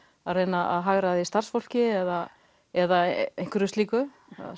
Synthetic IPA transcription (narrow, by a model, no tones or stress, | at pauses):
aðreːjnaʔa̰ðɦaɣɾaðɪist̪ar̥sfowl̥cɪɛða | ɛðaejŋ̥kʏɾʏst̪liːkʏ